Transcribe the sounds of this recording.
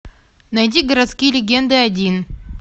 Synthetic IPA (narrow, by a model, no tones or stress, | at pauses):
næjd̪ʲiɡəɾat̪skʲijlʲɪɡʲend̪aːd̪ʲin